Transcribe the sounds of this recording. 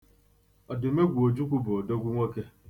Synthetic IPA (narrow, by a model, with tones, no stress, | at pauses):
ɔ˨dʊ˨me˦ɡʷu˨o˨d͡ʒu˦kʷu˦bʊ˨ɔ˨do˦ɡʷu˦ŋʷe˦ke˦